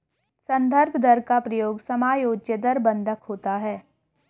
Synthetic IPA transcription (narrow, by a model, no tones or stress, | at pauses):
sɐ̃nd̪ʱəɾbʱd̪əɾkapɾɐjoːɡsɐmaːjoːd͡ʒjəd̪əɾbə̃nd̪ʱəkɦoːt̪aɦɛː